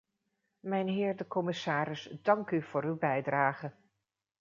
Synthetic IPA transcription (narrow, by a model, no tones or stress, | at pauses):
mɛjnɦɪːɹdəkɔmɪsaːɾɪsdɑŋkyv̥ʊːɾywbɛjdraːχə